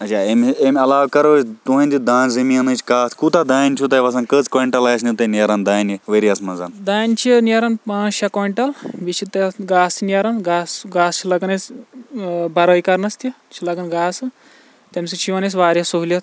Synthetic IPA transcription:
ɐt͡ʃʰaememʲɐlaːwkɐɾot͡ʃt̪und̪id̪aːnzɐmiɐnɨt͡ʃʰkaːt̪kut̪ad̪aːjnʲt͡ʃʰut̪ɐʋɐs̬ɐnkət͡skoiɳʈɐlaːsnit̪ɐnɐɾɐnd̪aːjniʋeɾiɐsmɐzɐ̰nd̪aːjnt͡ʃʰiniɐɾɐnpãːɐkoiɳʈɐlʋit͡ʃʰit̪ɐɡaːsinjɐɾɐnɡaːsɡaːst͡ʃʰilɐɡɐnɐs | bɐɾɐikɐɾnɐst̪i | t͡ʃʰilɐɡɐnɡaːsɨ | t̪ɐmsit͡ʃʰiʋɐnes̬ʋaːɾjɐsoɦulʲɐt̪

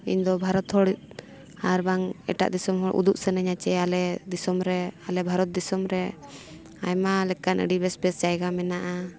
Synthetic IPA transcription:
iɲd̪ɔbʱaɾɔt̪hɔɽit̪̚ | aɾbaŋɛ̰ʈa̰ʔd̪isɔmɦɔɽʔṵd̪uʔsɛnɛɲat͡ʃɛalɛd̪isɔmɾɛalɛbʱaɾɔt̪̚d̪isɔmɾɛ | a̰jmalɛkanʔə̰ɖibɛspɛsd͡ʒajɡamɛnaʔa

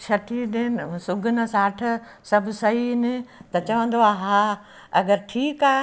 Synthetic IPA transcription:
ʃʰɐʈʰiɗenɪsʊɡʱʊnɐsaːʈʰ | sɐbʱʊsɐɦiɪnɪt̪ɐt͡ɕɐʋə̃nd̪oaːɦaː | ɐɡəɾʈʰiːkaː

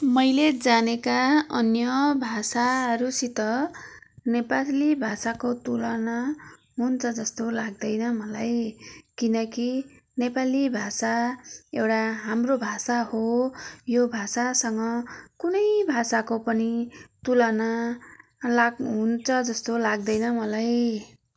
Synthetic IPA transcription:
mʌjled͡zanekaʌnjʌbʱasaɦʌɾusit̪ʌ | nepalibʱasakot̪ulʌna | ɦunt͡sʰʌd͡zʌst̪olaɡ̚d̪ʌjnʌmʌlajkinʌki | nepalibʱasaewʈaɦamrobʱasahojobʱasasʌŋʌkunʌjbʱasakopʌnit̪ulʌna | laɡɦunt͡sʰʌd͡zʌst̪olaɡ̚d̪ʌjnʌmʌlaj

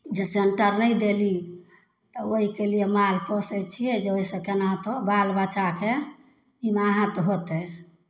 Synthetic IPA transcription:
d͡ʒeseɳʈəɾnəjd̪eli | t̪ɔoɦikelijemalpɔsɛt͡ʃʰiɛd͡ʒeoisə̃kenãt̪obalbat͡ʃake | imaaɦãt̪ɔɦot̪ɛ

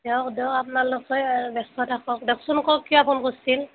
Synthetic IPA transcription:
ɛwkdɛapnalɔkɔjbɛstʰɔtʰakɔkdɔksunkɔkːijɔapʰɔnkossil

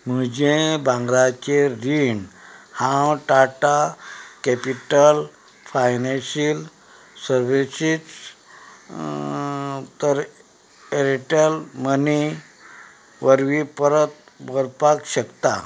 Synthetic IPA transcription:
məd͡ʑebãŋɡɾat͡ɕeɾiɳhãwʈaʈakepiʈəl | fajnẽɕil | səɾʋisid͡z | t̪əɾ | eɾiʈəlməni | ʋəɾʋipəɾət̪̚ | bʱəɾpakɕəkt̪a̰

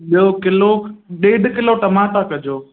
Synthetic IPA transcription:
ɓijokɪloɗeːɖkɪloʈɐmãːt̪akɐd͡ʑoː

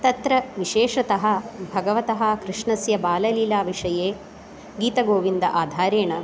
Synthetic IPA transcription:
t̪ɐt̪ɾɐʋiʃeːʂɐt̪ɐɦɐ̆bʱɐɡɐʋɐt̪ɐɦɐkɾiʂɳɐsjɐbaːlɐliːlaːʋiʂɐjeː | ɡiːt̪ɐɡoːʋind̪ɐʔaːd̪ʱaːɾeːɳɐ

